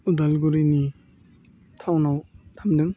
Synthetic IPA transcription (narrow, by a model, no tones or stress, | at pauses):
udalɡuɾini | tʰawnawtʰamdɯŋ